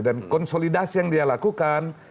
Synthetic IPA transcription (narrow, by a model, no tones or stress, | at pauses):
dankɔnsolidasijaŋdialakukan